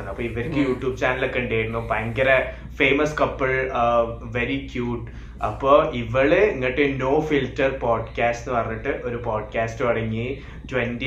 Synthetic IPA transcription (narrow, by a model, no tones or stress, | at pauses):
nːɐpːoːiʋɐɾkʲːɨjuːʈjuːbt͡ɕaːnɐlokːeɳɖeːjʈunːupɐŋɡɐɾɐ | fe̞ːmɐskɐpːɐɭ | ʋeɾikjuːʈː | ɐpːoːʔiʋɐɭeiŋːɐɭiʈːeono̞ːfiltːɐrpoːɖkaːstinɨpɐrɐɲːiʈːɨʔo̞ɾupoːɖ̚kaːstɨʋɐɽɐŋːi | twendi